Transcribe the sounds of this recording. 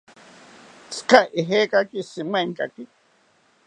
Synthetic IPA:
t͡skaʔiɦeːkakisimaŋkʼa̰ki

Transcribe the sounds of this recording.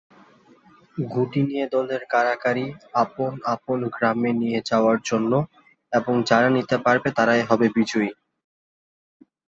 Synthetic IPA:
ɡʱuʈinijed̪ɔleɾkaɾakaɾiaponaponɡɾamenijed͡ʑaoaɾd͡ʑonːo | eboŋd͡ʑaɾanit̪epaɾbet̪aɾaeɦɔbebid͡ʑoi

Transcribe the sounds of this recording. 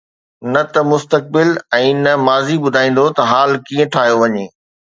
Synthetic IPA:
nɐt̪ɐmʊst̪ək̚bɪlɛ̃ːnɐmaːzibʊd̪ʱaːĩːn̆d̪ot̪ɐɦaːlkiːə̃ʈʰaːɦjoʋɐɲeː

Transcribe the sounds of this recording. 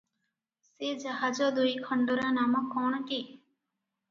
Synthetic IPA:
sed͡ʒaɦad͡ʒɔd̪ujkʰɔɳɖoɾanamɔkːɔɳ̃ki

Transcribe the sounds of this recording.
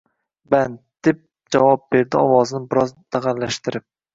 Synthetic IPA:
band̪̥ɪp̚ | d͡ʒavɒp̚be̞ɾd̪ɪɒwɒznɪbɪɾɒzd̪̥aʁalːaʃt̪ɪɾɪp̚

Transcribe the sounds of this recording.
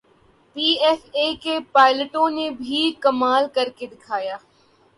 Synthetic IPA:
piːɛfekepaːɪləʈõnebʱikɐmaːlkɐɾked̪ɪkʰaːjaː

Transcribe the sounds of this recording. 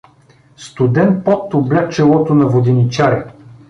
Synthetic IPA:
st̪ʊd̪ɛnt̪̚pɔt̪ːʊblʲat͡ʃɛlˠɔt̪ʊnɐvod̪init͡ʃaɾi

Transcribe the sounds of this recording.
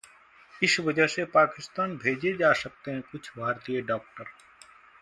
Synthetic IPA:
ɪsʋɐd͡ʒəɦsepaːkɪst̪aːnbʱeːd͡ʒed͡ʒaːsɐk̚t̪eɦɛ̃kʊt͡ʃʰbʱaːɾt̪ijəɖɔːk̚ʈəɾ

